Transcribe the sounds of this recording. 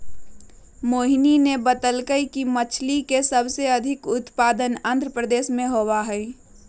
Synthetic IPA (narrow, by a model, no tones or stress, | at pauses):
moːɦininebət̪əlkəikimət͡ʃʰlikesəbseəd̪ʱɪkʊt̪paːd̪ənãnd̪ʱɾəpɾəd̪eːsmẽɦowaɦɛi